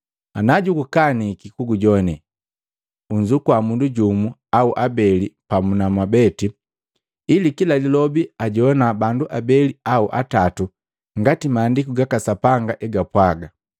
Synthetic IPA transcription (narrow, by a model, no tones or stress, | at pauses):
anaɟukukanikikuɡuɟɔnɛ | uɲd͡ʒukwamunduɟumuauʔabɛlipamunamwabɛti | ilikilalilɔbiaɟɔnabanduʔabɛliauʔa̰tatu | ŋɡatimaːndikuɡakasapaŋɡaʔɛɡapwaɡa